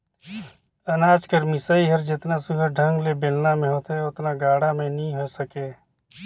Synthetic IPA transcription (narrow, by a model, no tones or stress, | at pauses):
ɐnaːd͡ʒkəɾmɪsaːiɦəɾd͡ʒɪt̪nasʊɡəɾɖʱə̃ŋɡlebelnamẽɦoːt̪eʊt̪naɡaːɽamẽnəɦĩɦosəkeː